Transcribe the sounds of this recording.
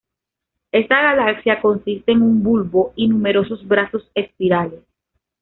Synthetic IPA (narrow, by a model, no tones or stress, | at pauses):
e̞st̪aɣalaksjako̞nsist̪e̞ːŋumbulβo̞inume̞ɾo̞sozbɾaso̞se̞spiɾale̞s